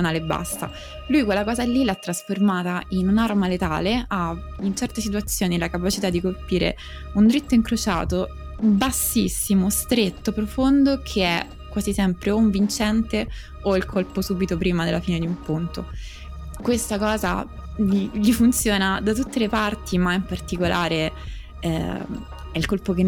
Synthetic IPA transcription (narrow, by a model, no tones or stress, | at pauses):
naːleebːa̰st̪a̰ | lujkwelːakɔːzalːilaɛt̪ːɾasformaːt̪ainunarmalet̪a̰ːlea | int͡ʃɛrt̪esit̪̬wat̪sːjoːnilakapat͡ʃit̪ad̪ːikolpiːɾḛ | und̪ɾit̪ːoiŋkɾot͡ʃa̰ːt̪o | basːisːimost̪ɾet̪ːopɾofond̪okʰeɛ | kːwaːzisɛmpɾeuɱvint͡ʃɛnt̪e | oilkʰolposuːbit̪opɾiːmad̪elːafiːned̪iumpunt̪o | kwest̪akɔːza̰ | ʎiʎifunt̪sjoːnad̪at̪̬ut̪ːelepart̪ʰimaimpart̪ikolʔaːɾe | ɛ̰ | ɛilkolpoke